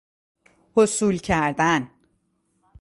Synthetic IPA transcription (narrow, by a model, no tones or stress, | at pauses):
hosuːlcʰæɾd̪æn